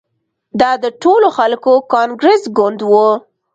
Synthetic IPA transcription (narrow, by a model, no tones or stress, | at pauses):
d̪ɑd̪əʈoloxalkokɑnɡɾesɡʊnd̪wu